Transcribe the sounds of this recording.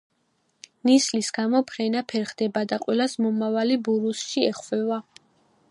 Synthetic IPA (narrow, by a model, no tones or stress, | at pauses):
nislisɡ̥amɔpʰɾɛnapʰɛɾχd̪ɛbad̪aqʼwɛlasmɔmavalibuɾusʃiɛχvɛva